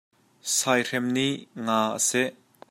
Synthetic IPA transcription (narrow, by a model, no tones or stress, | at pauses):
sajr̥ɛmniʔŋaːʔə̰sɛʔ